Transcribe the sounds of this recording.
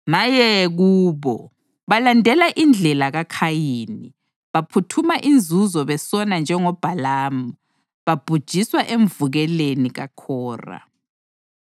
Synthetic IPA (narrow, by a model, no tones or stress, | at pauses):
majɛɣuːβɔ | βalandʱɛlaʔind͡ɮʱɛlaɣakʰajiːni | βapʰutʰumaʔind͡zʱuzɔβɛsɔnand͡ʒʱɛŋɔb̥ʱalaːmu | βab̥ʱud̥ʒ̥ʱiswaʔeɱvuɣɛleniɣa̰kʰɔːra̰